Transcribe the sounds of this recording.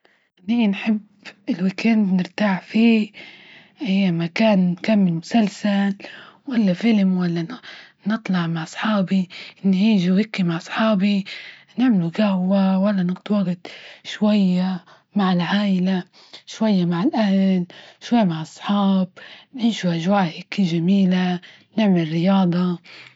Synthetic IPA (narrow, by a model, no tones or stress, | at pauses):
niːnħɪb | ɪlwɪkand̪nɪɾt̪aːʕfiː | ʔajːamakaːnnkamːɪlmʊsalsalwalːafɪlmwalːa | nɨt̪ˤlɑʕmaʕɑsˤħɑːbiʔɪnːhiːʒiwɪkːimaʕʔsˤħɑːbi | nɪʕmɪluɡahwawalːanɪɡd̪waːɡɪd̪ʃwajːa | maʕɪlʕaːʔɪla | ʃwajːamaʕalʔahlʃwajːamaʕʔɑsˤħɑːb̚nɪnʃuʔaʒwaːhɪkːiʒamiːla | nɪʕmɪlrɪjɑːd̪ˤɑ